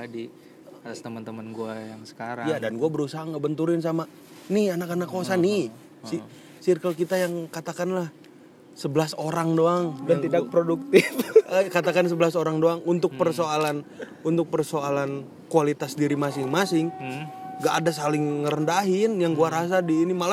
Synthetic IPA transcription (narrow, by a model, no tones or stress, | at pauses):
adi | at̪ast̪əmənt̪əmənɡuajaŋsə̥kaɾajadanɡuabəɾusaɦaŋɡəbənt̪uɾɪns̬ama | nɪhanakanakːosanɪ | si | sirkəlkit̪ajaŋkat̪akanlah | səbəlasoɾaŋdoaŋdaŋt̪idak̚pɾoduk̚t̪ɪfəkat̪akans̬əbəlasoɾaŋdoaŋunt̪ʊk̚pərsoalan | unt̪ʊk̚pərsoalan | kualit̪asdiɾimasɪŋmasɪŋ | ɡaʔːdas̬alɪŋːəɾəndaɦɪnjaŋɡuaɾas̬adiːnimala